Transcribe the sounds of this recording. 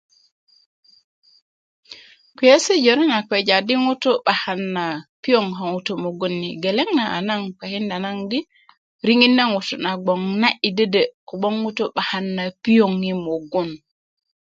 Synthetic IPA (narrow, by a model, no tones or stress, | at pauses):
kijɛsɛd͡ʒɔɾɛnakɛd͡ʒadiŋutɔɓahanːapijɔŋɦaŋutɔmoɡonːiɡɛlɛŋnaʔanaŋkahindanandi | ɾiŋinːaŋwutɔnaɡ͡bɔŋnaʔidədɛkɔɓɔŋwutɔɓahanːapijoŋimoɡun